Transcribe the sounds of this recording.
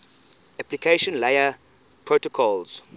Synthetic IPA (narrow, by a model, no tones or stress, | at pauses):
æplikʰeʃɔ̃nlejə | pʰɹotɔkʰɔlz̥